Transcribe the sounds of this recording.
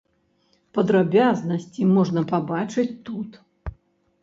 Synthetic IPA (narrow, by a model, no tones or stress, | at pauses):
pɐd̪ɾabʲaznɐsʲt͡sʲimɔʐnɐpabat͡ʂɨt͡sʲt̪ut̪